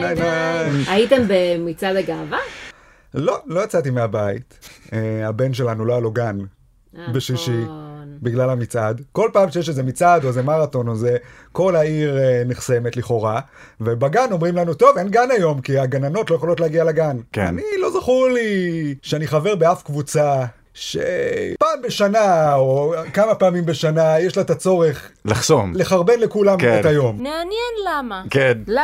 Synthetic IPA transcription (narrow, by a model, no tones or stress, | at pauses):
aaaitembemit͡sadeɡava | lo̞lo̞jat͡satimeabaḭteabe̞nʃe̞lanulo̞alo̞ɡan | beʃiʃibiɡlalhamit͡sad̪ko̞lpaːmʃejeʃeze̞mit͡sad̪ozemaʁato̞nozeko̞laiʁniχse̞me̞tliχo̞ʁa | vebaɡano̞mʁimlanuto̞venɡanajo̞mkiaɡanano̞tlojeolo̞t̬leaɡialaɡanka̰nilo̞zaχuliʃeaniχave̞ʁbeafkvut͡sa | ʃḛpaːmbeʃanaokamapaːmimbeʃanajeʃlaet̪at͡so̞ʁe̞χlaχsomleχaʁbe̞nlekulamet̪ajo̞mmeanjɛnlamaken